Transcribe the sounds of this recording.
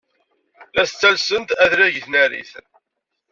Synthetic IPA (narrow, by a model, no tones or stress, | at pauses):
læst͡sːælsənt̪æðɾæʝəθnæɾḭθən